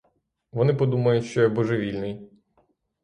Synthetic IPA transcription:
ʋɔnɪpɔd̪umɐjʊtʲʃt͡ʃɔjɛbɔʒeʋʲilʲnɪj

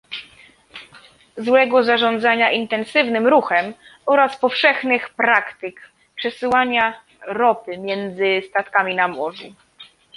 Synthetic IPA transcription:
zwɛɡɔzaʐɔnd̪zaɲaʔint̪ɛnsɘvnɘmɾuxɛmɔɾaspɔfʂɛxnɘxpɾakt̪ɘk | pʂɛsɘwaɲa | ɾɔpɘmʲjɛnd̪zɘst̪at̪kamʲinamwɔvʲɛ̰

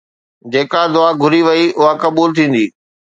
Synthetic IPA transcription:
d͡ʑeːkad̪ʊaːɡʱʊɾiʋɐiʔʊɦakɐbuːlt̪ʰĩːn̆d̪iː

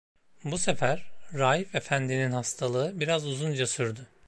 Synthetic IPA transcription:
buse̞fæɾːaːjife̞fænd̪ininhast̪ʰalˠɯɯbiɾazuzund͡ʒasyɾd̪ʊ

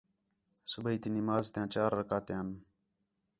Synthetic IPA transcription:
subəiːt̪inimaːzt̪jãːt͡ɕaːɾːɐkaːt̪jãːn

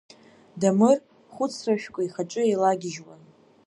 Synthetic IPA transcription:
damɨr | χʷʊt͡sʰraʃᶣkʷʼaiχaʈ͡ʂʼɨejlaɡʲɪʒwa̰n

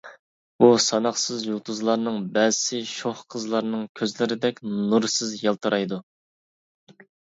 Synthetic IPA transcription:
b̥usɑnɑχsɨzjolˠt̪ʰuzlˠɑɾnɨŋbɛzɪsɪʃoχqʰəzlˠɑɾnɨŋkʲʰøzlɪɾɪd̪ɛkʲnuɾsɨzjɑlˠt̪ʰɨɾʔɑjd̪u

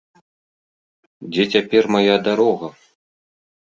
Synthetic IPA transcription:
dʲetʲapʲermajad̪aɾoʁɐ

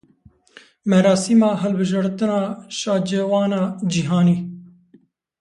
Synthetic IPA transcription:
mɛɾɑːsimɑːɦɛlbɨʒɑɾt̪ɨnɑːʃɑːd͡ʒeːwɑːnɑːd͡ʒiɦɑːniː

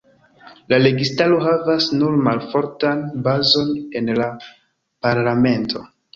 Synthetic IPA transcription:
lale̞ɡistaloɦavasnuɾmalfo̞ɾtanbazo̞ne̞nla | paɾlame̞ntʰo̞

